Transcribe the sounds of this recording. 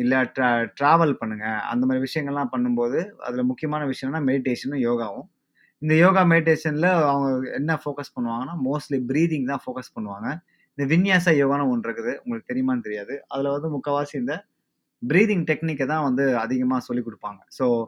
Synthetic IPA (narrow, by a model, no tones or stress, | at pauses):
ɪlːɐʈʈɾaːʋɐlpɐɳːɯŋɡɐɐ̰nd̪ɐmaːd̪ɾiʋɪʂɐjɐ̃ŋɡɐɭlãːpɐɳːɯmpoːðɯɐ̰ðɪlmʊkːɪjɐmaːnɐʋɪʂɐjɐ̃mnaːmɛɽɪʈeːʂɐnɯ̃joːɣaːʋʊ̃ | ɪnd̪ɐjoːɣaːmɛɽɪʈ̬eːʂɐnɪlɐɐʋɐŋɡɐɛ̰nːɐfoːkɐspɐɳːɯʋaːŋɡɐnːaːmoːsʈlibɪɾiːðɪŋt̪ãːfoːkɐspɐɳːɯʋaːŋɡɐ | ɪnd̪ɐʋɪnjaːsaːjoːɣaːnɐ̃ɔɳɾɯkːɯðɯʊ̰ŋɡɐɭɯkːɯt̪ɛɾɪjɐmaːnɯt̪ɛɾɪjaːðɯɐðɪlɐʋɐnd̪ɯmʊkːɐʋaːsɪɪnd̪ɐ | bɪɾiːðɪŋʈɛknɪkːɐt̪ãːʋɐnd̪ɯɐðɪɣɐmaːsɔlːikːɔɽɯpːaːŋɡɐsoː